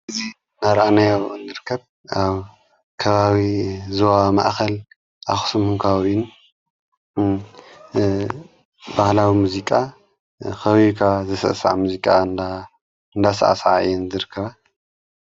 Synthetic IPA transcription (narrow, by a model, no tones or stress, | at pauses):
ɨzi | naɾʔanajawɨndɨɾɨkʰːɐβ | aβ | kʰɐβaβizowama̰ʔxɐl | ʔaxu̥sɨmuŋkʰawin | bahlawimuzikʼa | xɐβikʰazɨsɐ̰ʔsa̰ʕamuzikʼanda | ɨnd̪asa̰ʔa̰saʕaɨ̰jːɛnzɨɾɨkʰːɐβa